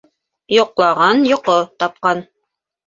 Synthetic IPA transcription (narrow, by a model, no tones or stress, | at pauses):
jŏqlˠɑʁɑnjŏqot̪ɑp̚qɑn